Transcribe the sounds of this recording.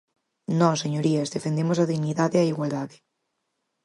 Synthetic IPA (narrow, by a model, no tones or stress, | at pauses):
nɔseɲoɾiazðefend̪emosaðiɣniðaðeaiɣwald̪aðe